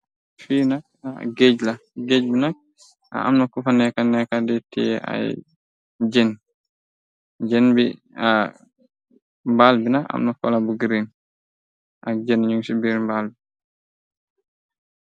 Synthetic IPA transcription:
fiːnak̚ | a̰ɡed͡ʒlaɡeɟbinak̚ | ʔa̰ʔa̰mnakufanɛkanɛkadɛtɛ̰ʔa̰j | d͡ʒɛn | d͡ʒɛnbi | a | mbalbinaka̰mnɔfɔ̰labuɡɾin | ʔad͡ʒɛnɲuŋsibiɾmbalbi

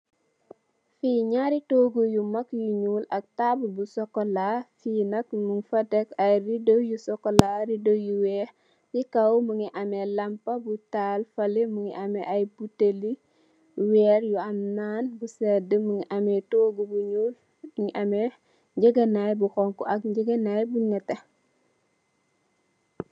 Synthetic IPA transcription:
fiɲaɾitoːɡujumɐkjuɲuːlɐk̚tabubusɔkːɔlafiːnɐk̚muŋfɐtɛkɐjridojusɔkːɔlaɾidojuwɛː | jikɐwmuŋiʔɐmɛlɐmpɐbutaːlfɐlimuŋiʔɐmɛʔɐjbuteli | wɛːɾjuɐmnaːnbusɛdəmuŋiʔɐmɛtoːɡubuɲul | ŋiʔɐmɛ | d͡ʒəɡɐnajbuxɔŋkuʔɐk̚ɟəɡɐnajbuɲɛtːe

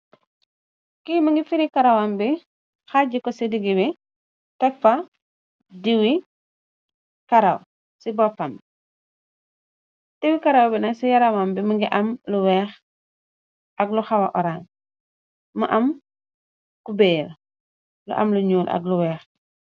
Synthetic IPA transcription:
kimɐŋɡifiɾikɐɾawambi | xaɟikɔsidiɡibi | tɛkfa | diwi | kɐɾaw | sibɔfɐm | d̥iwikɐɾɐwbinɐsijɐɾawambimɐŋɡiʔɐmluwɛːx | ʔɐɡluxɐwa̰ʔɔɾaːn | mɐʔɐm | kubɛːl | lṵʔɐ̰mluɲuːlʔɐ̰ɡluwɛːx

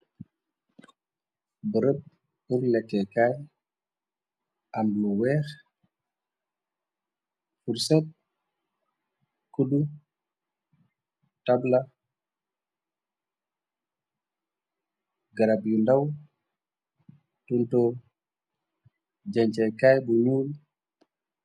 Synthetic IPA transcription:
bəɾəb̚ | uɾlɛkːɛkaj | ʔamluwɛːx | fuɾsɛt̚ | kuɗu | tabla | ɡaɾabjundaw | tunto | d͡ʒaɲt͡ʃɛkaːjbuɲuːl

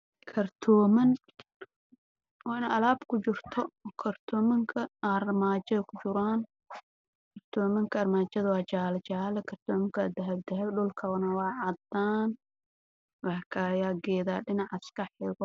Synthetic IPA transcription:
kʰɐrt̪ʰɔːmɐn | wɑːɪnʔɐlaːb̥kʰʊt͡ʃɪrt̪ʰɔkʰɐrt̪ʰɔːmɐŋkʰɐɐrmaːt͡ʃɐðɐkʰʊt͡ʃʊɾaːn | kʰɐrt̪ʰɔːmɐŋkʰɐɐrmaːt͡ʃɐðɐwɑːt͡ʃaːlt͡ʃaːlɐkʰɐrt̪ʰɔːmɐŋkʰɐd̪ɐɦɐbd̪ɐɦɛɖʊlkʰɐβɐnɐwɑːʕɑd̪aːn | wɑkʰajaːɡɛːðaːɖɪnɑʕɐskʰɐħɪɣɔ

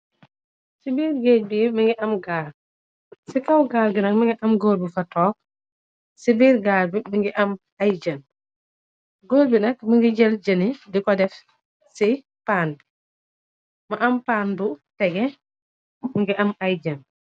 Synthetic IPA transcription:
sibiːɾɡeːɟ̚bimiŋɡiʔɐmɡaːɾ | sikawɡaːlɡinɐŋmiŋɡiʔɐmɡoːɾbifatɔːk̚ | sibiːɾɡaːɾbimiŋɡiʔɐm | ajd͡ʒɐn | ɡoːɾbinɐkmiŋɡiɟɛld͡ʒɐnidikɔdɛf | si | pand | maʔampaːnbutɛɡɛ | miŋɡiʔɐmajd͡ʒɐn

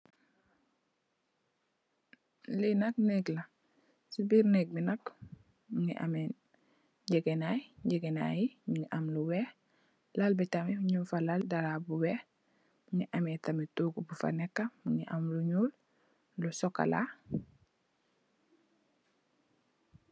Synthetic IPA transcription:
linak̚neɡla | subiɾneɡ̚binak | muŋiʔa̰men | ɟeɡenajɟeɡena̰jiiŋiʔamluweh | lalbetamihuɲufalaldaɾabuwe | muŋiʔametamituːɡubufa̰nekːamuŋiʔamluɲuːl | lusokːa̰la̰

